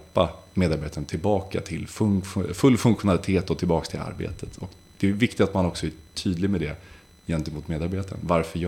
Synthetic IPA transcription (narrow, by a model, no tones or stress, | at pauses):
pːameːd̪aɾbeːt̪ʰaɾnt̪ʰɪlbɑːka̰t̪ʰɪlfŋfɵlːfɵŋkɧʊnalɪt̪ʰeːt̪ɔt̪ʰɪlbɑːkst̪ʰɪla̰ɾbḛːt̪ʰət̪ʰɔk | d̪̥ɛɛvɪkt̪ɪt̪at̪manɔksɔæʈʰyːd̪lɪɡmɛd̪ɛ | jɛnt̪əmuːt̪meːd̪aɾbeːt̪aɾə̰nvaɾfœj